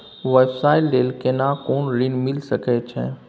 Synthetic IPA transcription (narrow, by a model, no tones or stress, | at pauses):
ʋɛbsaːɪlːeːlkenakoːnɾɪnmɪlsəkɛt͡ʃʰɛ̰